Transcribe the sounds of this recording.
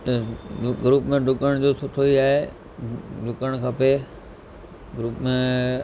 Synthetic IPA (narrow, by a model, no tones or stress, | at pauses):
t̪ɐɡɾuːpmẽɖʱʊkəɽ̃d͡ʑoːsʊʈʰoiaːɦe | ɖʱʊkəɽ̃kʰɐpe | ɡɾuːpmẽ